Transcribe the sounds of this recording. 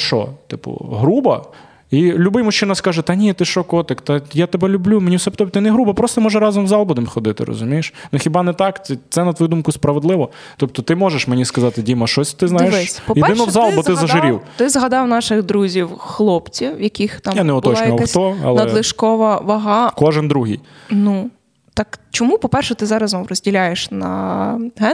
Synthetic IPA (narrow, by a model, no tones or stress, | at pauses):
ʃɔ̰t̪ɪ̰pʊ̰ɦɾubɐ̰ | ilʲubɪjmʊʃɪnɐskɑʒɛt̪ɐnʲit̪ɪʃɔkɔt̪ɪkt̪ɐjat̪ɛbɛlʲʊblʲumenʲiwsɛpt̪ɔbʲit̪ɪnɛɦɾubɐpɾɔst̪ɔmɔʒɛɾɑzɔmwzɑlˠbud̪emxɔd̪ɪt̪ɪ̰rɔ̰zʊmʲijɛʃnʊxʲibɑnɛt̪ɑk̪sɛt̪sɛnɐt̪ʋɔjud̪umkʊspɾɐʋed̪lˠɪʋɔ | t̪ɔp̚t̪ɔt̪ɪmɔʒeʃmenʲiskɐzɑt̪ɪdʲimɐʃɔsʲt̪ɪznɑjeʋʃɛsʲpɔjɪdɪnɔzɑlˠbɔt̪ɪzɐʒɪɾʲiwt̪ɪzɦɐd̪ɑwnɑʃɪɣd̪ɾuzʲiwxlˠɔpt͡sʲiwjɐkʲixt̪ɑmjanɛɔtb̪ɔɑjnɐkasʲt̪ɔɐ̰lˠnɐd̪lˠɪʃkɔʋɐʋɐɦɑkɔʒɪnd̪ɾuɦḭjnu | t̪ɑkt͡ʃɔmupɔpɛrʃɛt̪ɪzɑɾɐznɔwrɔzʲdʲilʲajeʃnɐɦɛn